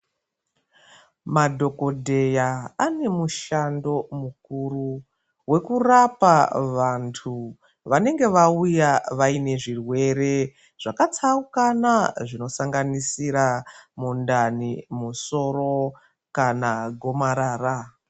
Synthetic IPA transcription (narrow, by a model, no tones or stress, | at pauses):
madʱo̞ko̞dʱe̞jaane̞muʃando̞mukuru | we̞kurapaʋantʰu | ʋane̞ŋɡe̞ʋaujaʋaine̞ʐirwe̞ɾe̞ | ʐ̥akat͡saukanaʐino̞saŋɡanisiɾamundanimuso̞ɾo̞ | kanaɡʱo̞maɾaːra